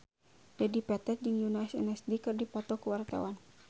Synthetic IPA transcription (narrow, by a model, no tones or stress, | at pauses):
d̥adipɛt̪ɛt̪̚d͡ʒɨŋjunaisɛ̰nɛsdikɨrdipɔt̪ɔkəwart̪a̰wan